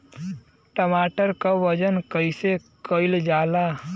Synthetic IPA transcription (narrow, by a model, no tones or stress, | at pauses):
ʈəmaːʈəɾkaʋəd͡ʒənkəɪsekəɪld͡ʒaːla